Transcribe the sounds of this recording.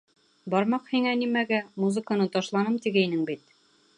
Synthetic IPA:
bɒɾmɑqhiŋænimæɡæmuzɤ̆kənɤt̪ɒʃlˠɑnɤmt̪iɡæjnɘŋbit̪̚

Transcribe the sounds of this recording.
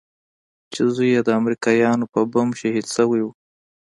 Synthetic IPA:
t͡ʃezujed̪əamɾikɑjɑnopəbamʃahid̪səwiwu

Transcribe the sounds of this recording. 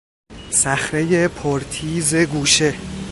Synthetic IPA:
sæxɾe̞je̞pʰoɾt̪ʰiːze̞ɡuːʃe

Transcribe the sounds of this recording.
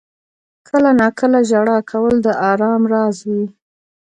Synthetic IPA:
kʰəlanɑkəlaʒaɽɑkʰawəld̪əʔɑɾɑmɾɑzwi

